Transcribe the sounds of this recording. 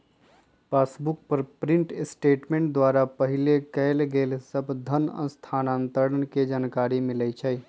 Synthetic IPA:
pasbuk̚pəɾpɾĩɳʈsʈeʈmẽɳʈ̚d̪waɾapəɦilekəɪlɡelsəbʱd̪ʱənə̰̃nst̪ʰanãnt̪əɾənked͡ʒankaɾimilɛt͡ʃʰəj

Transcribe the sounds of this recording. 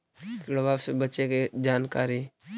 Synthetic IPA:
kɽəbaːwsebətːt͡ʃeked͡ʒaːnkaːɾi

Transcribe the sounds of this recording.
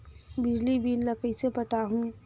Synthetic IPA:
bɪd͡ʒlibʱiːlːəkəisepəʈaɦũ

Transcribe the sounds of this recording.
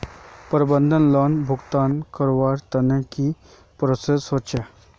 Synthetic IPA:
pəɾbənd̪ʱənlɔːnbʱʊɡt̪aːnkəɾʋaːɾt̪ɐneki | pɾoːsesot͡ʃʰe

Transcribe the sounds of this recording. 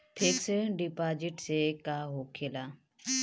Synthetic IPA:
pʰeːksɖipaːd͡ʒɪʈsekaːɦoːkʰeːlaː

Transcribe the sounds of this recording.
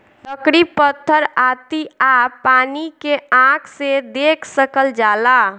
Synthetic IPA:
t̪əkɾipət̪ʰːəɾat̪iapanikeãkʰsed̪ekʰsəkəld͡ʒala

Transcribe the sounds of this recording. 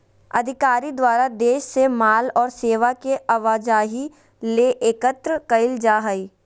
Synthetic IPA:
ɐ̰d̪ʱɪkaːɾid̪waːɾad̪eːʃsemaːlɔːɾseːʋakeʔɐʋaːd͡ʒaːɦi | leʔeːkət̪ɾəkɐɪld͡ʒaːɦəiː

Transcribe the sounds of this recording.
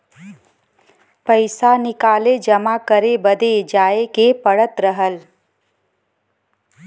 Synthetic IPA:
pəɪsanɪkaːled͡ʒɐmakəɾebəd̪ed͡ʒaːekepəɽət̪ɾəɦəl

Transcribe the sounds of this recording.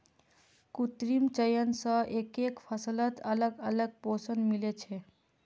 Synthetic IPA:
kut̪ɾimt͡ʃəjənsəʔekekfʰəslət̪ələɡələɡ̚posənmilet͡ʃʰe

